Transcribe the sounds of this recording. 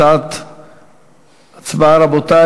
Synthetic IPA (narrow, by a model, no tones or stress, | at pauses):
at̪ | at͡sbaɾabot̪a